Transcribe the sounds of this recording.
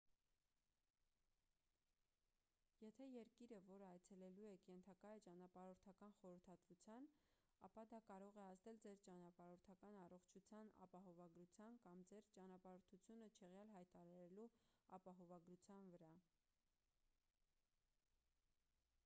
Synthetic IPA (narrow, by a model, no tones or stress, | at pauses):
jɛt̪ʰɛjɛɾkiɾəvɔɾəɑjt͡sʰɛlɛluɛkjɛnt̪ʰɑkɑjt͡ʃɑnɑpɑɾɔɾt̪ʰɑkɑnχɔɾəɾt̪ʰɑt̪vut͡sʰjɑn | ɑ̰pɑd̪ɑkɑɾɔʁɛɑzd̪ɛld͡zɛɾt͡ʃɑnɑpɑɾɔɾt̪ʰɑkɑnɑrɔχt͡ʃʰut͡sʰjɑnɑ̰pɑɦɔvɑɡɾut͡sʰjɑnkɑmd͡zɛɾt͡ʃɑnɑpɑɾɔɾt̪ʰut͡sʰjunət͡ʃʰɛʁjɑlɦɑjt̪ɑɾɑɾɛluɑpɑɦɔvɑɡɾut͡sʰjɑnvəɾɑ